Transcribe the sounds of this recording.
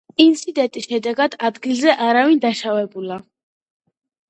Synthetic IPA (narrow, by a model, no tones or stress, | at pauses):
int̪sʰid̪ɛnt̪ʼisʃɛd̪ɛɡad̪̥ad̪ɡilzɛʔaɾavind̪aʃavɛbula